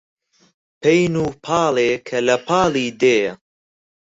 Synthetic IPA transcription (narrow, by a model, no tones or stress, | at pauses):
pʰejnuːpʰɑːlekʰɐlɐpʰɑːliːd̪eːjɐ